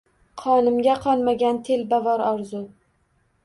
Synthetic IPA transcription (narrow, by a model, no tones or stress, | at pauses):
qʰɒnɪmɡʲaqʰɒlˠmaɡʲant̪ʰe̞lbavɒɾɒɾzʊ